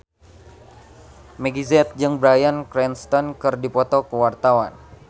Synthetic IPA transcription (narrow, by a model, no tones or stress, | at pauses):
mɛɡizɛt̪̚d͡ʒɨŋbɾajankɾɛnst̪ɔnkɨrdipɔt̪ɔkəwart̪awan